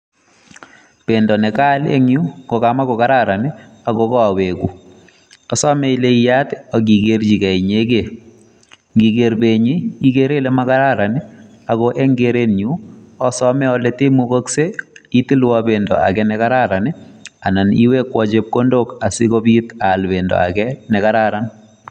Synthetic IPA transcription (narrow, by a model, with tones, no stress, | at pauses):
pe˨ndɔ˨nɛ˨ka˦lḛ˦ŋju˦ŋɡo˨kama˦kɔ˨ka˦ɾa˦ɾa˨nɪ˦a˨ɡɔkɔ˦a˨we˨ku˨ | ɔ˨sɔ˦me˦i˦le˦ija˦tɔ˨ɡi˨ɡeɾd͡ʒi˨kɛ˨i˨ɲe˦ke˨ | ŋɡi˨ɡe˨ɾbe˨ɲi˦i˦ke˦ɾe˦le˦ma˦ka˦ɾa˦ɾa˨nɪ˦ | a˨ɣɔʔɛ˦ŋɡeɾe˦nɲu˦ɔ˦sɔ˦mɛ˦ɔ˦lete˦mu˦ko˦kse˦i˦ti˦lwɔbe˨ndɔ̰˨a̰˨kɛnɛka˦ɾa˦ɾa˨nɪa˨na˨nḭ˦we˦kwɔd͡ʒe˦p̚ko˦ndoka˨sɪ˦ko˦bi˦ta˨lbendɔ̰˨a̰kɛnɛ˨ka˦ɾaɾan